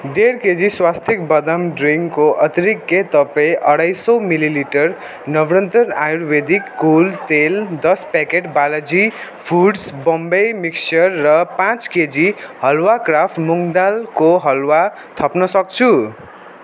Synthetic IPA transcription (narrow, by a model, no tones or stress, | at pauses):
deɾked͡ziswast̪ʰik̚bʌd̪amɖriŋɡkoʔʌt̪ɾikːet̪ʌpʌjʔʌɽajsʌwmililiʈʌr | nʌbrʌnt̪ʌnajuɾbed̪ikːult̪eld̪ʌspakeʈbalʌd͡zi | pʰuɖsbʌmbʌjmiksʌrːʌpãt͡sked͡zihʌlwakrapʰʈmuŋd̪alkoɦʌlwa | t̪ʰʌpnʌsʌk̚t͡sʰu